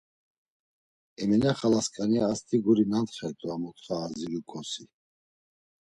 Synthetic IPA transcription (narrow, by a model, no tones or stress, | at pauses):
ɛmɛnaχalaskʼaniaːst̪ʰiɡuɾinant̪χɛt̪ʼuamɔt̪ʰʼχaːziɾukʰʼɔsi